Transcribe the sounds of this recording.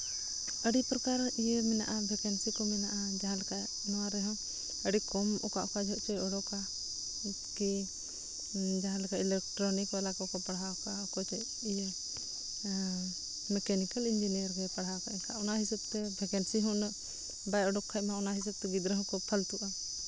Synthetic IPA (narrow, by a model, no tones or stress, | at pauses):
əɽipɾɔkaɾʔijemɛna̰ʔabʱɛkɛnsikɔmɛnaʔad͡ʒaɦãlɛka | nɔwaɾɛɦɔ̃ | əɽikɔmɔka̰ʔkad͡ʒʱɔʔt͡ʃɛɔɽɔka | ki | d͡ʒaɦãlɛkaʔilɛk̚ʈɾɔnikalakɔkɔpaɽɦakaɔkɔt͡ʃɛ | ije | mɛkɛnikalind͡ʒinijəɾɡɛpaɽɦakaʔɛkaʔɔnaɦisab̚t̪ɛbʱɛkɛnsiɦɔnəʔ | bajɔɖɔkʰːac̚maɔnaɦis̬ab̚t̪ɛɡid̪ɾɛɦɔ̃kɔpʰalt̪uʔa